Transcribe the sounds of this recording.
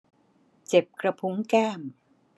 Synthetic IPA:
t͡ɕe˨˩p̚kɾa˧pʰu˦˥ŋkɛː˥˩m

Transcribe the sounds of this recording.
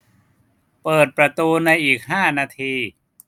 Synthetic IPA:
pɤː˨˩t̪̚pɾa˧t̪uː˧na˧jʔiː˨˩k̚ɦaː˥˩naː˧t̪ʰiː˧

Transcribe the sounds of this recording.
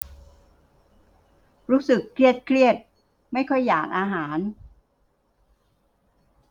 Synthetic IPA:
ɾuː˦˥sɯ˨˩kʰːɾi˥˩ət̪̚kʰɾi˥˩ət̪̚ | ma˥˩jkʰɔ˥˩jːaː˨˩k̚ʔaː˧ɦaː˩˦n

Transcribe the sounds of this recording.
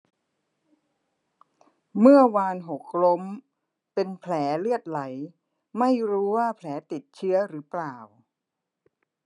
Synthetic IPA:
mɯ˥˩ɐwaː˧nɦo˨˩k̚lo˦˥m | pe˧npʰlɛː˩˦lɯ˥˩ət̪̚la˩˦j | ma˥˩jɾuː˦˥waː˥˩pʰlɛː˩˦t̪i˨˩t̪̚t͡ɕʰɯ˦˥ɐɾɯː˩˦plaː˨˩w

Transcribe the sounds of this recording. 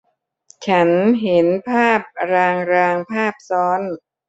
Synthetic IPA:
t͡ɕʰa˦˥nɦe˩˦npʰaː˥˩p̚ɾaː˧ŋɾaː˧ŋpʰaː˥˩p̚sɔː˦˥n

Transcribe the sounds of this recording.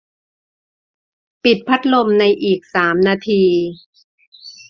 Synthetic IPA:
pi˨˩t̪̚pʰa˦˥t̪̚lo˧mna˧jʔiː˨˩k̚saː˩˦mnaː˧t̪ʰiː˧

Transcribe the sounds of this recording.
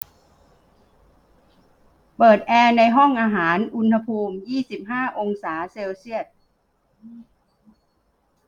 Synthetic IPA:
pɤː˨˩t̪̚ʔɛː˧na˧jɦɔ˥˩ŋʔaː˧ɦaː˩˦nʔu˧nha˧pʰuː˧mjiː˥˩si˨˩p̚ɦaː˥˩ʔo˧ŋsaː˩˦seː˧wsi˥˩ət̪̚

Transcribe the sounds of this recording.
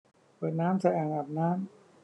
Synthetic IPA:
pɤː˨˩t̪̚naː˦˥msa˧˦ʔaː˨˩ŋa˨˩p̚naː˦˥m

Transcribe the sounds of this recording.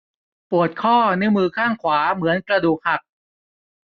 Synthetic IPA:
pu˨˩ət̪̚kʰɔː˥˩nɯ˦˥mɯː˧kʰaː˥˩ŋkʰwaː˩˦mɯ˩˦ənkɾa˧duː˨˩k̚ha˨˩k̚

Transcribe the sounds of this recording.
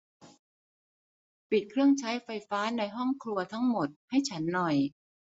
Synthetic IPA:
pi˨˩t̪̚kʰɾɯ˥˩əŋt͡ɕʰa˦˥jfa˧jfaː˦˥na˧jɦɔ˥˩ŋkʰlu˧ɐt̪ʰa˦˥ŋmo˨˩t̪̚ha˥˩jt͡ɕʰa˦˥nːɔ˨˩j

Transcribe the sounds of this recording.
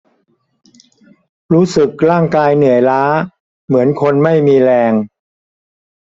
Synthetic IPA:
ɾuː˦˥sɯ˨˩k̚ɾaː˥˩ŋkaː˧jnɯ˨˩əjlaː˦˥ | mɯ˩˦ənkʰo˧nma˥˩jmiː˧ɾɛː˧ŋ

